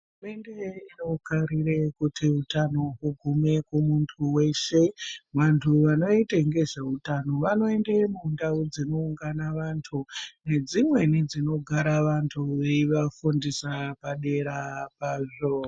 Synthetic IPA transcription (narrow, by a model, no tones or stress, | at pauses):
ɦrume̞nde̞inokaɾirekutiutanoɦuɡʱume̞kumuntʰuwe̞ʃe̞ʋantʰuʋano̞itaŋɡe̞ʐeutano̞ʋano̞e̞ndemundaud͡zino̞uŋɡanaʋantʰune̞d͡zimwe̞nid͡zino̞ɡʱaɾaʋantʰuʋe̞iʋafundisapaɗe̞ɾapaːʐo